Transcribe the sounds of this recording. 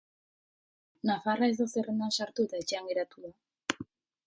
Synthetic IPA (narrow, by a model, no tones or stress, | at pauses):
nafarae̞zðo̞serend̪ansaɾt̪ut̪aet͡ʃeaŋɡe̞ɾat̪uða